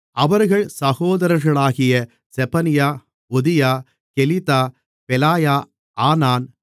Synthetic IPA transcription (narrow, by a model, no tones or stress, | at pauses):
ʔɐʋɐɾɣɐɭsɐɣoːðɐɾɐɾɣɐɭaːɣɪjɐ | sɛpɐnɪjaː | ɔðɪjaː | kɛlɪt̪aː | pɛlaːjaː | ʔaːnaːn